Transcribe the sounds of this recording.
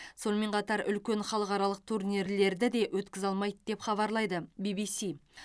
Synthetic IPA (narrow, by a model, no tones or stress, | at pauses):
so̞nme̞ɴqʰɑt̪ɑɾʏlkʲe̞nχɑlˠəqɑɾɑlˠəq̚t̪ʰuɾnʲiɾle̞ɾd̪ɪd̪e̞wʔɵt̪kʲɪzɑlˠmɑj̪d̪̥e̞pχɑβɑɾlˠɑjd̪əbibisi